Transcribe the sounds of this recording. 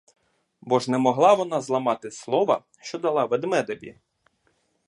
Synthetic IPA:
bɔʒnɛmɔɦlˠɑʋɔnɑzlˠɐmɑt̪ɪslˠɔʋɐ̰ | ʃt͡ʃɔd̪ɐlˠɑʋɛd̪mɛd̪ɐbʲḭ

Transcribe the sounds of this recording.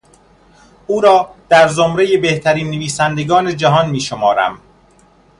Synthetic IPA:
ʔuːɾɒːd̪̥æɾzomɾejebe̞ht̪ʰæɾiːnːeviːsænd̪e̞ɡɒːne̞d͡ʒæɦɒnmiːʃomɒːɾæ̰m

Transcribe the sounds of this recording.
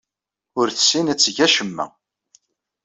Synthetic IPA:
ʊɾθə̥sinæt͡sːʝæʃəmːæ̰

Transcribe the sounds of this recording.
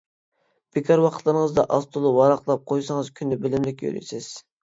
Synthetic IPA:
b̥ɪkʲʰɑɾwɑqʰət̪ʰlˠɨɾəŋəzd̪ɑ̰ʔɑst̪ʰulˠuwɑɾɑqlˠɑp̚qʰojsɑŋəzkʲʰynːɪbɪlɪmlɪkʲjø̰ɾy̰jsɪz̥

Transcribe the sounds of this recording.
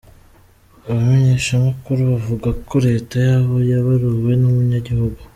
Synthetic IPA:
aβame̞ɲe̞ʃamakuɾuβavuɡakʰo̞ɾe̞ːtajaːβo̞jaβaɾuwe̞numuɲaɟihuɡu

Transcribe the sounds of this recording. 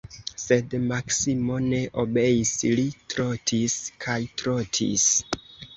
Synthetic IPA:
se̞dmaksimo̞ne̞ʔobe̞jislitɾo̞tʰiskʰajtɾo̞tʰḭs

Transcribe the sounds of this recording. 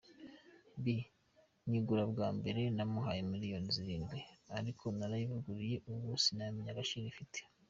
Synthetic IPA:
bi | ɲiɡuɾabɡaːmbe̞ɾe̞namuɦajemilijo̞niziɾiːnɡwe̞aɾikʰo̞naɾajivuɡuɾije̞ʔuβusinamiɲaɡaʃiɾifitʰe̥

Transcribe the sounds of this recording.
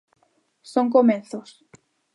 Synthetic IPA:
soŋk̬omẽnθos

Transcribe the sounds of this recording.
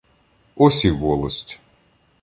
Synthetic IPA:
ɔsʲiʋɔlˠɐsʲtʲ

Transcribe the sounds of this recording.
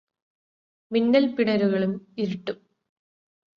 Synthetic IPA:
minːɐlpiɽɐɾuɣɐɭumiɾiʈːum

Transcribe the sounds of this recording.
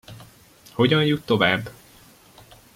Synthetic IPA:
ho̞ɟɒnjut̪ːo̞vaːbː

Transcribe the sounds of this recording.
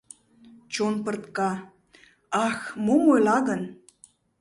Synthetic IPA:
t͡ɕonpɤ̆rt̪kɑ | ɑxmomojlɑɣən

